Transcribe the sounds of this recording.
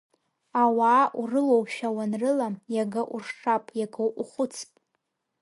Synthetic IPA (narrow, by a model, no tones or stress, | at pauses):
awaːʔurɨlowʃᶣawanrɨlajaɡaʔurʂʈ͡ʂapʼjaɡʰowʔuχʷʊt͡sʰpʼ